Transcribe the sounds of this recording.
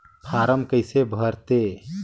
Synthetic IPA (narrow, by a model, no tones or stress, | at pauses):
pʰaɾəmkəjsebʱəɾt̪e